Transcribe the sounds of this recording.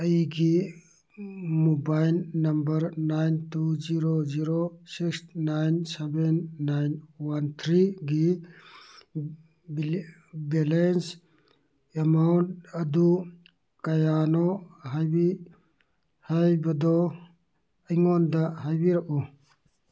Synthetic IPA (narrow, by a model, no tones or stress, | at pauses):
əjiɡi | mubajlnɐmbəɾnajnt̪ud͡ʒiɾoziɾosiksnajnsɛbɛnːajnwant̪ʰɾiɡi | bɛlens | emawnʈɐd̪u | kajanɔɦajbi | hajbɐd̪ɔ | iŋɔnd̪aɦajbiɾɐʔu